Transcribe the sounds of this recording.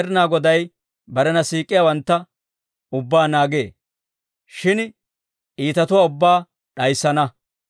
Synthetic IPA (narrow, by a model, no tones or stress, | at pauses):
ɾɪnaːɡɔd̪ɐj | bɐɾɛnɐsiːkʼːɪjawɐnt̪ːɐ | ʊbːaːnaːɡeː | ʃɪn | ʔiːt̪ɐt̪ʊwaːʊbːaː | ɗɐjsːɐnɐ